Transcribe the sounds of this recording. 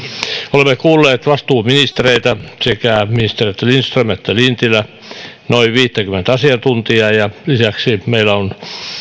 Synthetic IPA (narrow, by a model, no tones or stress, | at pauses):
olemːekuːlːeːt̪ʋɑst̪uːminist̪ereit̪æsekæˑminist̪eriet̪ːælinst̪rømet̪ːælint̪ilˑæ | noiʋʋiːt̪ːækymːˑent̪ɑsiɑt̪unt̪iɑjɑlisæksimeilæon